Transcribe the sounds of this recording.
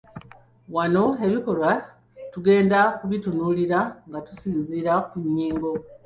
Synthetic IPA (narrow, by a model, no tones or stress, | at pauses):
wano̞e̞βiko̞ɾwa | tuɡe̞ːndakuβitunuːliɾaŋɡatusiːnziːɾakuɲːiːŋɡo̞